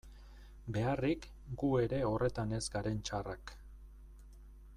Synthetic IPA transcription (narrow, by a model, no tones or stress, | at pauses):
be̞arik | ɡue̞ɾe̞o̞re̞t̪ane̞zɡaɾe̞nt͡ʃarak